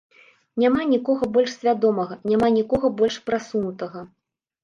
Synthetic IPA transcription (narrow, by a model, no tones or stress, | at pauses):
nʲamanʲikɔɣɐbɔlʲʂsʲvʲad̪ɔmɐɣɐnʲamanʲikɔɣɐbɔlʲʂpɾasunut̪ɐɣɐ